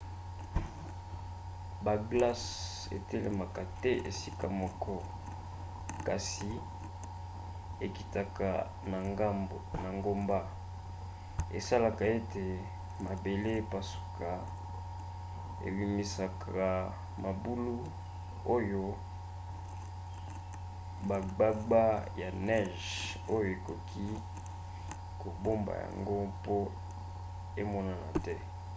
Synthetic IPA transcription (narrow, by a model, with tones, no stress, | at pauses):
ba˨ɡla˦s | ḛ˨tɛ˦lḛ˨ma˨ka˨tɛ˦ʔḛ˨si˦ka˨mɔ˦kʰɔ˦ | ka˨si˨ | e˨ki̥˨ta˨ka̰˨ | n˨˦ | na˨ŋɡo˦mba˦ | ḛ˨sa˦la˨ka˨e˦tʰe˨ | ma˨be˨le˦˨pa˨su̥˨ka˨ | ḛ˨bi˨mi˨sa˨kʰa˨ | ma˨bu˦lu˦ | o˦jo˦ | ba˨ɡ͡ba˦ɡ͡ba˦ja˨nɛ˦˨ʒ | o˦jo˨e˨ko˨kʰi˦ | ko˨bo˦mba̰˨ja̰˨ŋɡo˦po˦ | e˦mɔ˦na˨na̰˨tɛ˦